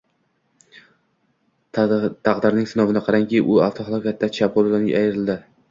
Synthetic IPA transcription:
t̪ʰɑqd̪ɪɾnɪŋsɪnɒvɪnɪqʰɑɾaŋkʲiʔʊaft̪ʰɒɦɑlˠɒkʲat̪ːat͡ʃʰapʰoɾlanɪajɾɪld̪ɪ

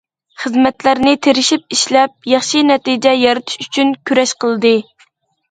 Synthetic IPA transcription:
χəzmɛt̪læɾnɪt̪ʰeɾɪʃip̚iʃlɛp̚jɑχʃinɛt̪id͡ʒɛjɑɾɨt̪ʰɪ̥ʃyt͡ʃʰynkʲʰyɾɛʃqəlˠɨd̪ɨ

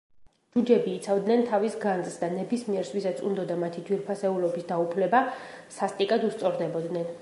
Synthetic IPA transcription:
d͡ʒud͡ʒɛbiːt̪sʰavd̪nɛnt̪ʰavisɡanzsd̪anɛbismiɛɾsvisat̪sʰṵnd̪ɔd̪amat̪ʰid̪wiɾpʰasɛulɔbisd̪aupʰlɛbasast̪ʼikʼad̪ust̪sʼɔɾd̪ɛbɔd̪nɛn

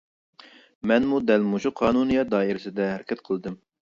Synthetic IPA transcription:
mɛnmud̪ɛlmuʃuqʰɑːnunijɑd̪ɑːiɾɪsɪd̪ɛɦæɾkʲʰɛt̪̚qʰəlˠd̪ɨm

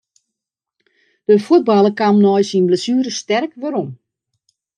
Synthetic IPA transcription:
d̥əfuəd̚bɑlˠəkamnɔjsinbləsyːɾəstɛrkʋəɾom

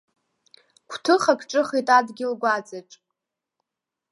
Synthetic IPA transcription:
kʷʰtʰɨχakʰʼʈ͡ʂʼɨχitʼadɡʲɪlɡʷad͡zaʈ͡ʂʼ

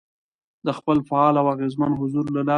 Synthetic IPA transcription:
d̪əxpəlfaɑlawaɣezmənɦʊzuɾlalɑ

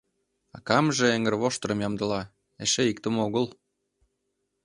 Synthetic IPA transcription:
ɑ̰kɑmʒĕeŋərβoʃt̪əɾə̆mjɑmd̪ə̆lɑ | eʃeikt̪əmoɣəl

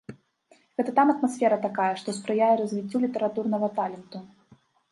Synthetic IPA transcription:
ɣɛt̪ɐt̪amɐt̪masʲfʲɛɾɐt̪akajɛʂt̪ɔspɾɨjajɛɾɐzʲvʲit͡sʲːulʲit̪ɛɾat̪urnɐɣɐt̪alʲɛnt̪u

